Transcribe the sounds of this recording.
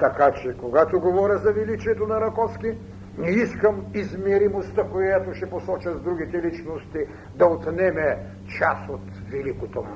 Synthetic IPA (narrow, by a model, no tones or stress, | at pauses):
t̪ɐkat͡ʃɛkoɡat̪oɡovɔɾʲɐzɐvilit͡ʃiɛt̪onɐɾɐkɔski | nɛiskəmizmɛɾimost̪ɐkojat̪oʃɛposɔt͡ʃɐzd̪ɾuɡ̟it̪ɛlit͡ʃnost̪i | d̪ɐot̪nɛmɛ | t͡ʃasot̪vilikot̪om